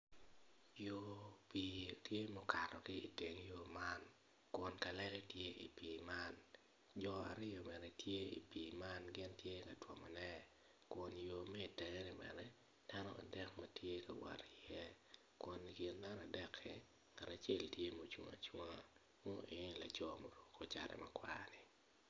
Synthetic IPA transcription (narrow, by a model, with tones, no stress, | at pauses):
jo˦pi˨tje˦mo˦ka˨ɾɔ˨kɪ˦i˨te˨ŋjo˦ma˦n | kʊ˨nka˨lɛ˦lɛ˦tje˦ʔḭ˨pi˨ma˦n | d͡ʒɔ˨a̰˨ɾɪ˦jo˨mɛ˨ɾɛ˨tje˦ḭ˨piː˨ma˦nɡɪ˦ntje˦ka˨twɔ˨mɔ˨nɛ˦ | ko˨njo˨mɛ˦i˨tɛ˨ŋe˦nɪ˨mɛ̰˨ɾɛ˦ | d̥a˦nɔ̰˦ʔa̰˨dɛ˦kmatʰje˦ka˨wa̰˨ɾi˨jɛ˦ | ko˨nɡɪ˨nda˦na˨dɛ˦kʰːɪ˨ | ŋa˨ɾa˨t͡ʃe˦ltje˦mo˨t͡ʃwo̰˨ŋa̰˨t͡ʃwo˦ŋa˨ | mɔ˦ʔe˨la˨d͡ʒɔ˦mo˨ɾo˦ko˦t͡ʃa̰˨ɾɛ̰˨ma˦kwa̰˦nɪ˨